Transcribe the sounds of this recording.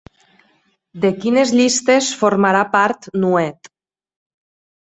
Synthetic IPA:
d̪ekinezʎist̪esfoɾmaɾapaɾt̪nuɛt̪

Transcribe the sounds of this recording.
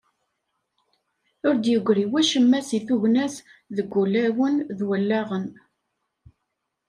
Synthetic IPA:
ʊɾd̪jəɡʷɾiwæʃəmːæsiθuʝnæsðəɡʷːulæwənðwəlːæʁən

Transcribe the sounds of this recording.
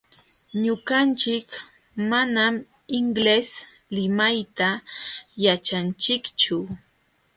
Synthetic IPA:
ɲʊɢant͡ʃɪk | manam | ɪŋɡles | lɪmajt̪ajat͡ʃant͡ʃɪkt͡ʃʊ

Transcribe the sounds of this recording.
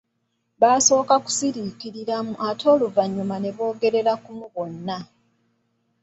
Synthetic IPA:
βaːso̞ːkaku̥siɾiːkiɾiɾamuʔatʰo̞ːluvaɲːumane̞βo̞ːɡe̞ɾe̞ɾakumuβo̞nːa

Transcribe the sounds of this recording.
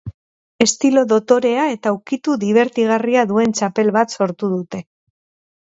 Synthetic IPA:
e̞st̪ilo̞ðo̞t̪o̞ɾe̞ae̞t̪awkit̪uðiβ̞e̞ɾt̪iɣ̞ariaðue̞nt͡ʃape̞lβat̪so̞ɾt̪uðut̪e̞

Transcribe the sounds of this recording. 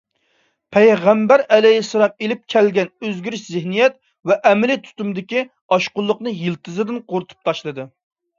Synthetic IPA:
pʰɛjʁæmbæɾɛlɛjisːɑlˠɑmelɪp̚kʲʰɛlɡʲɛnøzɡʲyɾyʃzɪhnijɛt̪ | vɛʔɛmɪlɪt̪ʰy̥t̪ymd̪ɪkʲi | ɑʃqʊlˠːʊqnɨjilt̪ʰɨzɨd̪ɪnqʰoɾt̪ʰu̥p̚t̪ʰɑʃlˠɨd̪ɨ

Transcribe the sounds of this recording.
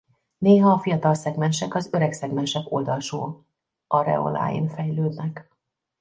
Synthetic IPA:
neːɦɒːfijɒt̪ɒlsɛɡmɛnʃɛkɒzø̞ɾɛksɛɡmɛnʃɛkold̪ɒlʃo̰ː | ʔɒɾɛ̰o̰la̰ːjḭnfɛjløːd̪nɛk

